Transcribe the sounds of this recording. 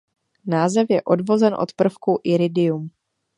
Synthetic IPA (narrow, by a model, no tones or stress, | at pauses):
naːzɛfjɛʔo̞dvo̞zɛnʔo̞̰t̪pr̩fkuʔɪɾɪdɪjum